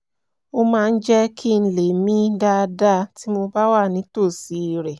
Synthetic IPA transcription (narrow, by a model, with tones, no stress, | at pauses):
o˦mãː˦˧n̩˦d͡ʒɛ˦kʰi˦˨n̩˧le˨mĩ˦da˦˧da˦ti˦mo˧ba˦wa˦˨nĩ˨˦to˦˨si˨˦˨ɾɛ˨